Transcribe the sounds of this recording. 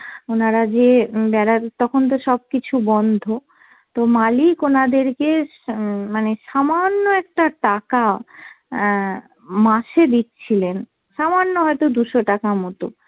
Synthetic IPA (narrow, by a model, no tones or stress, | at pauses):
onaɾad͡ʑebɛɾat̪ɔkʰont̪̬oʃɔb̚kit͡ɕʰubɔnd̪ʱo | t̪omalikonad̪eɾke | maneʃamanːoɛk̚ʈaʈaka | mãʃed̪itːt͡ɕʰilen | ʃamanːoɦɔet̪od̪uʃoʈakamɔt̪o